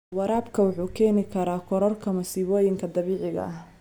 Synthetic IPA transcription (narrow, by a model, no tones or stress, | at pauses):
wɑɾaːbkʰɐwʊħuːkʰɛːnɪkʰɐɾaːkʰɔɾɔrkʰɐmɐsiːβɔːjɪŋkʰɐd̪ɐβɛːʕɪɣɐ̰ʔɐh